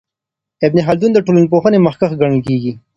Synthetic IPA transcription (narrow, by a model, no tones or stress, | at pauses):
ɪbneɦald̪und̪əʈolanp̬oxənemɐxkaxɡaɳ̃əlkeɡi